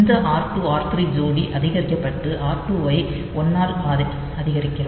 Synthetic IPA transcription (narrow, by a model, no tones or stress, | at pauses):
nd̪ɐʔaːɾʈːuaːɾt̪ɾid͡ʒoːɽiʔɐðɪɣɐɾɪkːɐpːɐʈːɯʔaːɾʈuʋɐɪ | ɔnːaːɾʔaːðɐ | ɐðɪɣɐɾɪkːɪrɐ